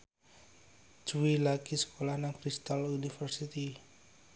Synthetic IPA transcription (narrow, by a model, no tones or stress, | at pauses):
d͡ʒ̥uwilakisə̥kolahnaŋkɾist̪alunifərsit̪i